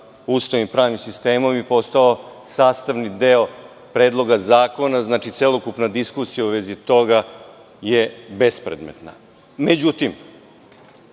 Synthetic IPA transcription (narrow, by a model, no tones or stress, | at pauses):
ust̪aʋnimpɾaːʋnimsist̪eːmo̞mjipo̞st̪ao | saːst̪aʋnid̪eo | pɾeːd̪lˠo̞ɡazaːko̞naznaːt͡ʃit̪selokupnad̪iskusijauʋezit̪o̞ɡa | jebe̞spɾḛd̪mḛt̪na̰ | med͡ʑut̪im